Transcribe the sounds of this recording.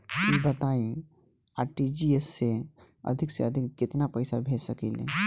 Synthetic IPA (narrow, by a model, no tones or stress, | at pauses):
bɐt̪aːĩ | aːʈid͡ʒiesːe | ɐ̰d̪ʱɪkseɐd̪ʱɪkːɪt̪napɐɪsabʱeːsɐkḭːlḛ